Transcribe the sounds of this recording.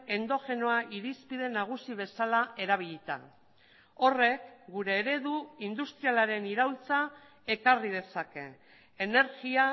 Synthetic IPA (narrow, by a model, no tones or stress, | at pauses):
e̞nd̪o̞fe̞no̞aʔiɾispið̞e̞naɣ̞usiβ̞e̞salae̞ɾaβ̞iʎit̪a̰ | o̞re̞kɡuɾe̞ːɾe̞ðuind̪ust̪ɾialaɾe̞niɾawlt͡sa | e̞karið̞e̞sake̞ː | ne̞ɾɣia